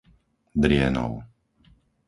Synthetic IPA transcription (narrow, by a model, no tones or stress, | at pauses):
d̪ɾɪɛnɔ̰ʊ